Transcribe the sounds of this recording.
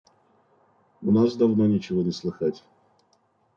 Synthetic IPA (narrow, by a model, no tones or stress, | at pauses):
ʊnasd̪ɐvnonʲɪt͡ɕɪvonʲɪslˠɨxatʲ